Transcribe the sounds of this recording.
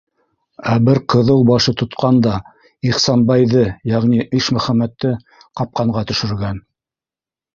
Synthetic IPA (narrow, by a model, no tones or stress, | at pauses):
æbɘɾqɤ̆ðɤwbɑʃɤt̪ŏt̪qʰɑnd̪ɑ | iχsɑnbɑjðɤjæʁniʔɘʃmɵ̆χæmæt̪ːɘ | qɑp̚qɑɴɢɑt̪ɵ̆ʃɵ̆ɾ̆ɾɡæn